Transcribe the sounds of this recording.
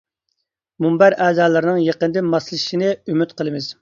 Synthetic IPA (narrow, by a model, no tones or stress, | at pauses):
mumbæɾɛːzɑːlˠɨɾnɨŋjeqənd̪ɨmɑslˠʃinɨymyt̪qəlˠɨmɪz̥